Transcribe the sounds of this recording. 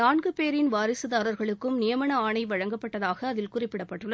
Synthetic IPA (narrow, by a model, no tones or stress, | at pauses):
naːɳɡɯpeːɾɪnʋaːɾɪsɯðaːɾɐɾɣɐɭɯkːɯmnɪjɐmɐnɐaːɳɐɪʋɐɻɐŋɡɐpːɐʈːɐðaːɣɐːðɪlkʊrɪpːɪɽɐpːɐʈːɯɭːɐ